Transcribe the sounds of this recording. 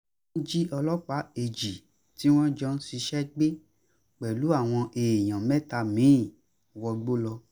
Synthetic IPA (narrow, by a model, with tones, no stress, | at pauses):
d͡ʒi˦ɔ˧lɔ˦k͡pa˨˦e˨d͡ʒi˨ | ti˨˦w̃ɔ̃˦d͡ʒɔ˧˦n̩˦si˧ʃɛ˦ɡ͡be˦ | k͡pɛ˨lu˨˦a˦˨w̃ɔ̃˧ʔeː˨j̃ã˨mɛ̃˦ta˧mĩ˨˦˨ | wɔ˧ɡ͡bo˦lɔ˧